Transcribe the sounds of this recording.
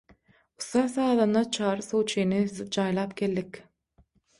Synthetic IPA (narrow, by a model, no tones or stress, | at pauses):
ust̪ɑːsɑːðɯnd̪ɑt͡ʃʰɑːɾɯsowt͡ʃʰinid͡ʒɑːjlˠɑːpkeld̪ikʲ